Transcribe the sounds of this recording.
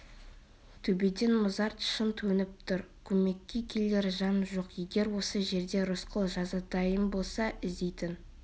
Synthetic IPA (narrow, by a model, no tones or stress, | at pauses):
t̪ʰɵbe̞d̪e̞nmʊzɑɾt̪ʃənt̪ʰɵnɪp̚t̪ʰʊɾkʲʰɵme̞kʲːekʲʰe̞le̞ɾʒɑnʒo̞qje̞ɡʲe̞ɾwo̞səʒe̞ɾd̪e̞ɾʊsqʰəlˠʒɑzɑt̪ɑjəmbo̞lˠsɑʔɪzd̪ejt̪ɪn